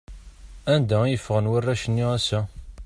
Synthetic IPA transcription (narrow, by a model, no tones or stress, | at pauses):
ænd̪æjəfːʁənwərːæʃənːiæsæ